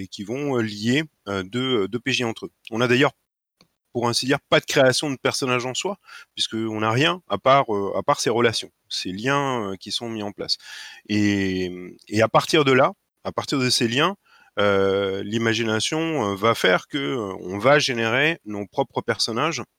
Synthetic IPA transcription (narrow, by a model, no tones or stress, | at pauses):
ekʲivɔ̃øljeød̪øød̪øpeʒiɑ̃t̪χøɔ̃nad̪ajœʁ | puʁɛ̃sid̪iʁpad̪əkχeasjɔ̃d̪əpɛʁsɔnaʒɑ̃swapɥiskəɔ̃naʁjɛ̃apaʁøa̰paʁseʁəlasjɔ̰̃seljɛ̃økʲisɔ̃miɑ̃pla̰se | eapaʁt̪iʁd̪əla | apaʁt̪iʁd̪əseljɛ̃ | ølimaʒinasjɔ̃øvafɛʁkəøɔ̰̃vaʒeneʁenopχɔpχəpɛʁsɔnaʒ